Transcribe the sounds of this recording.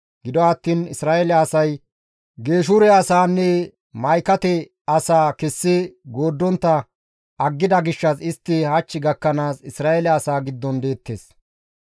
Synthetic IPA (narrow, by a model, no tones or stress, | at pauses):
ɡɪd̪ɔɐt̪ːiːnɪsɾaːʔɛlɐɐsɐj | ɡe̞ːʃ̬uɾɛɐsaːnːɛ | mɐjkɐt̪ɛ | ɐsaːkɛsːɪɡoːd̪ːɔnt̪ːɐ | ɐɡːɪd̪ɐɡɪʃːɐsɪst̪ːɪhɐt͡ʃːɪɡɐkːɐnaːsɪsɾaːɛlɐɐsaːɡɪd̪ːɔnd̪e̞ːt̪ːeːs